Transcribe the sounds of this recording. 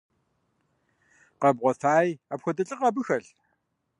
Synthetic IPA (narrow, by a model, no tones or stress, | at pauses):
qɐbʁʷɔθaːjaːpxʷɔdɐɬʼɨqʼaːbɨxɐɮ